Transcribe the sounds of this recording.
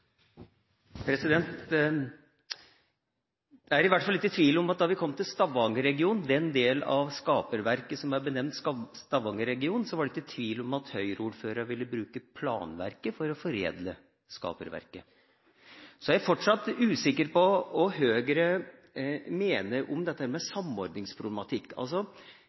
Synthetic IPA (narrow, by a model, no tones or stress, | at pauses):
pʰɾɛsɪd̪ɛnt̪ | d̪̥ɛæɾɪʋæʈːfɑlːɪt̪ːət̪ʰʋiːlɔmɑt̪̚d̪ɑʋɪkʰɔmːt̪ʰɪlst̪ɑʋɑŋəɾɛɡɪuːnd̪ɛnd̪eːlɑ̰ʋskɑːpəɾʋæɾkəsɔmʋɑɾbənɛmnt̪st̪ɑʋɑŋəɾɛɡɪuːnn̩sɔʋɑɖɛɪt̪ːət̪ʰʋiːlɔmɑt̪hœʏɾəuːɖføːɾɑɾʋɪlːəbɾʉːkəpʰlɑ̰ːnʋæ̰ɾkəfɔɾɔfɔɾḛːd̪lə | skɑ̰ːpə̰ɾʋæ̰ɾkə | sɔjæfɔʈʂɑt̪ːʉːsɪkːəɾpɔɔɦøːɡɾə | meːnəʔɔmd̪ɛt̪əhæːɾmɛsɑmːɔɾd̪nɪŋspʰɾʊblɛmɑt̪ʰɪkːɑ̰lsɔ